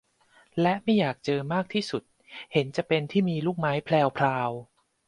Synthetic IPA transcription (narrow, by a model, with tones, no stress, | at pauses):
lɛ˦˥ʔma˥˩jːaː˨˩k̚t͡ɕɤː˧maː˥˩k̚t̪ʰiː˥˩su˨˩t̪̚ | he˩˦nt͡ɕa˨˩ʔpe˧nt̪ʰiː˥˩miː˧luː˥˩k̚maː˦˥jpʰlɛː˧wpʰlaː˧w